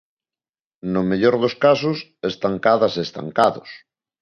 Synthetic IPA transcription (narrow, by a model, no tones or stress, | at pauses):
nʊmeʎoɾðoskasʊsest̪aŋkaðɐsest̪a̰ŋkaðʊs